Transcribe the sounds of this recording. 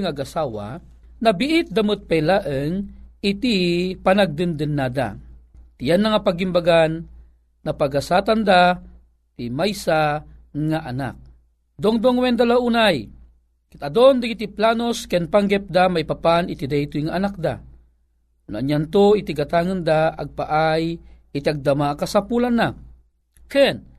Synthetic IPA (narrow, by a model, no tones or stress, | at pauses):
ŋaɡasaːwa̰ | nabiʔɪt̪̚d̪amɨt̪̚pajlaʔəŋɪt̪ipanaɡ̚d̪ɨnd̪ɨnːad̪a̰ | t̪ijanːaŋapaɡimbaɡanː | apaɡasaːt̪and̪a | t̪imajsaŋaʔana̰k̚ | d̪oŋd̪oŋwɛnd̪alaʔunaj | kit̪ad̪ond̪aɡit̪iplaːnoskɛnpaŋɡɛp̚d̪amajpapanit̪id̪ajt̪ujŋaʔanak̚d̪a̰ | na̰ɲant̪oit̪iɡat̪aŋɯnd̪aaɡ̚paʔaj | it̪iaɡ̚d̪amakasapulanːa | kɛn